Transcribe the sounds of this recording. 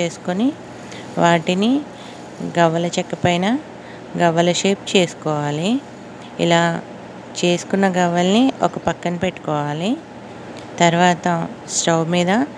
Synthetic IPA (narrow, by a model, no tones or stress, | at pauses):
e̞ːsu̥koni | ʋaːʈini | ɡɐʋɐlɐt͡ʃɛkːɐpɐjnɐ | ɡɐʋɐlɐʃe̞ːp̚t͡ʃe̞ːsu̥kɔːʋaːli | ḭlaː | t͡ʃe̞ːsu̥kunːɐɡɐʋɐlniʔɔkɐpɐkːɐnipeʈːu̥kɔːʋaːli | t̪ɐɾʋaːt̪ɐ | sʈɐwmiːd̪ɐ